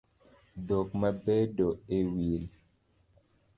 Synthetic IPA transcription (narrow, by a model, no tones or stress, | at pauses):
dokmabedoewil